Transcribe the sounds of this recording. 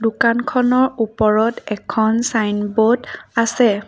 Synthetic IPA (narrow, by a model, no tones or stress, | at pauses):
dukankʰɔnɔɹupɔɹɔtɛkʰɔnsajnbodasɛ